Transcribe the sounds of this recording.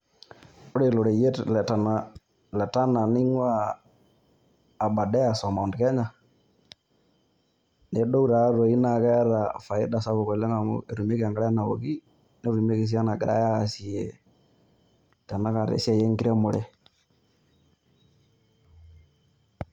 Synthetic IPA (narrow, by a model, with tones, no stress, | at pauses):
ʊ˦ɾe˨lo˨ɾe˨je˦tlɛ˨ta˨na˨ | lɛ˨ta˦na˨ni˦ŋwa˦˨ | ba˨dɛ˦a˨sɔ˨ma˨ndkɛ˦ɲa˨ | ne˨˦ɗo˦u˦ɾa˨˦ɾo˨i˦na˨kɛ˦ɾa˨fa˨i˦da˨sa˦βo˨kɔ˨le˦ŋa˨mʊ̰˦e˨ɾu˨me˦ka˨ŋɡa˦ɾɛ˦na˨o˨ɡi˦ | nɛ˦ɾi˨me˦ke˨s̬i˦a˦na˨ɡɪ˨ɾa̰˦ja˦˨si˨je˨ | tɛ˨na˦ka˨ɾḛ˨si˦a˦˨jɛ˦ŋki˦ɾa˦mo˨ɾɛ˦